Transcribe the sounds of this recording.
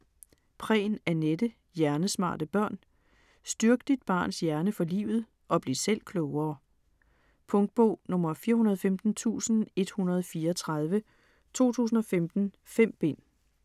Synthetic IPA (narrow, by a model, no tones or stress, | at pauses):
pʰʁɛ̰ːnæɐned̥ə | jæɐnəsmɑ̰̈ːd̥əb̥ɶɐ̰n | sd̥yɐɡ̥əd̥id̥̚b̥ɑ̰̈ːnsjæɐnəfɒ̽lḭːʊð̩ˠ | ʔɒ̽b̥le̝sel̰kʰlɔʊɐː | pʰɔ̽ŋd̥̚b̥ɔ̰ːnɔ̽mɐfiːɐhunɐð̞ˠɒfemd̥n̩t͡sʰṵːsn̩e̝d̥hunɐð̞ˠfiːɐːt͡sʰʁɑðˠʋə | t͡sʰo̝̰ːt͡sʰṵːs̬n̩ɒ̽femd̥n̩ | fem̰b̥e̝n̰